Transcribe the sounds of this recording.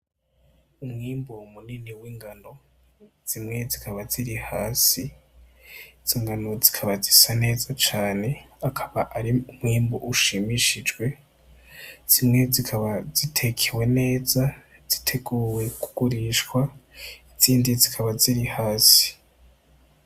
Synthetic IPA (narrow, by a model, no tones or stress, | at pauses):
umŋiːmbomuniniwiːŋɡano̞ | z̥imŋe̞zikʰaβaziɾihaːsi | z̥iːŋɡanozi̥kʰaβazisane̞ːzat͡ʃaːne̞akʰaβaʔaɾiumŋiːmbo̰ʔuʃimiʃid͡ʒɡwe̞ | z̥imŋe̞zikʰaβazitʰe̞kʰewe̞ne̞ːza | z̥i̥tʰe̞ɡuːwe̞ku̥ɡ̥uɾiʃkwaiz̥iːndizikʰaβaziɾihaːsi̥